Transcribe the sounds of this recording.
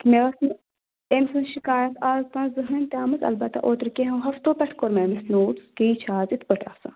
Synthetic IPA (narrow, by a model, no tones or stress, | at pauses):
kimeʋɐsn | emsɐ̃nʃikaːjɐt̪ʰaːzt̪ɐ̃nzɨɦɨnt̪ʲaːmɐzɐ̰lbɐt̪ːa̰ʔoːt̪ɾkeɦɐ̃wɦɐft̪oːpʲɐʈʰkoɾmeːmɐsnoːʈskeːt͡ʃʰaːzit̪ʰpəʈa̰ːfsa̰